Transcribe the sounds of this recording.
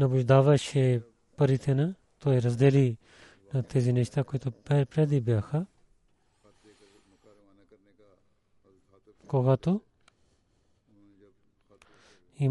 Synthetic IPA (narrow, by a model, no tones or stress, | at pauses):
nɐbut͡ʃd̪aːʋaːʃʰe | pəɾiːt̪ʰenɐ | t̪oːeɾɐsd̪eːliː | nɐt̪eːzinet͡ʃʰt̪aːkoit̪opɛpɾeːd̪ibjaːkʰa | koːɡaːt̪u | i